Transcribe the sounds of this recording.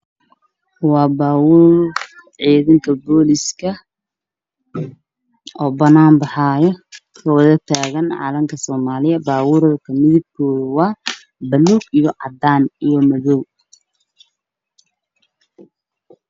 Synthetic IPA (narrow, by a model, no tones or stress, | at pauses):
wɑːbaːwʊːrʕiːðɐŋkʰɐbɔːlɪskʰɐ | ɔːbɐnaːmbɑħaːjɔ | kʰɐwɐðɐt̪ʰaːɣɐnʕa̰ːlɐmkʰɐsɔːmaːlɪjɐbaːwʊːɾɐðkʰɐmɪðɪb̚kʰɔːðʊwɑː | bɐluːɡijɔʕɑ̰d̪aːnijɔmɐðɔw